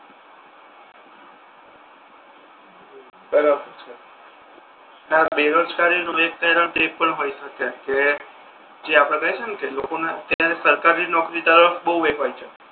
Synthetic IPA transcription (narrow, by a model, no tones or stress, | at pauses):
bəɾabəɾt͡ʃʰ | abeɾod͡ʒkaɾinuek̚t̪əɾət̪epəɳɦojʃəkeke | d͡ʒeapɽ̃ẽkəɦet͡ʃʰenkelokonaət̪jaɾesəɾkaɾinɔkɾid̪əɾəfbəɦuʋeɡɦojt͡ʃʰe